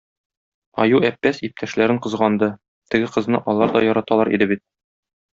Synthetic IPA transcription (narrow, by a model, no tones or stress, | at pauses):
ɒ̰juæpːæsip̚t̪ʰæʃlæɾɘɴqɤ̆zʁɑnd̪ɤ | t̪ɘ̆ɡɘqɤ̆znɤʔɒlˠɑɾd̪ɒjɒɾɑt̪ɑlˠɑɾḭd̪ɘbit̪̚